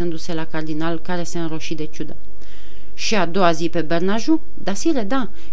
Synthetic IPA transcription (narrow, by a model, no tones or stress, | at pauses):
ɨnd̪use̞lakard̪inalkaɾe̞seɨnɾo̞ʃid̪et͡ʃud̪ə | ʃiad̪o̞azipe̞bernaʒu | d̪asiɾed̪a